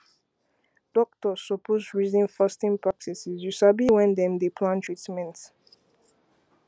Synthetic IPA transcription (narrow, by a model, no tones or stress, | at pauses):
d̥ɔk̚tɔsɔpʰozɹizĩnfastĩnpɹak̚tisizjusabiwɛ̃nd̪ɛ̃md̪epʰlãntʰɹitmɛ̃nt